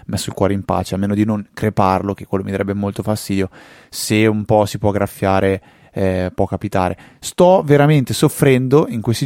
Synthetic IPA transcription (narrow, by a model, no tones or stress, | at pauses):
mɛsːoilkwɔːɾeimpa̰ːt͡ʃealmeːnod̪inoŋkɾeparlok̟ekːwelːomid̪aɾɛbːemolt̪ofast̪iːd̪jo | seumpɔsipwɔɡɾafːjaːɾe | ɛpwɔkapit̪a̰ːɾe | st̪ɔveɾament̪esofːɾɛnd̪oiŋkwest̪i